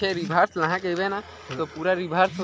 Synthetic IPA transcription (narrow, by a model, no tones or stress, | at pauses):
eɾibʱaːɾslãɦãkeʋena | t̪opuːɾaɾibʱaːɾs